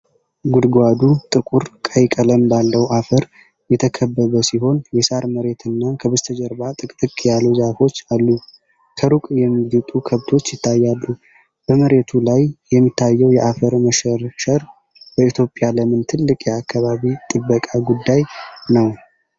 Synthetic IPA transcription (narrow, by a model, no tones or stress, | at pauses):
ɡud̪ɡʷad̪ut̪ʼɨkʼuɾkʼəjkʼələmbalːəwʔafəɾ | jɛt̪ʰəkʰəbːəβəsiɦo̞njɛsaɾməɾe̞t̪ʰɨnːakʰəβəst̪ʰəd͡ʒəɾbat̪ʼɨkʼt̪ʼɨkʼjalːuzafo̞t͡ʃːalːu | kʰəɾukʼjɛmːiɡut̪ʼukʰəβt̪ʰo̞t͡ʃːjɪt̪ʰːajːalːu | b̥əməɾe̞t̪ʰulajjɛmːit̪ʰːajːɛwjɛʔafəɾməʃəɾʃəɾ | b̥əit̪ʰjo̞pʼjaləmɨnt̪ʰɨlːɨkʼjɛakːaβaβit̪ʼɨbːəkʼaɡud̪ːajnəw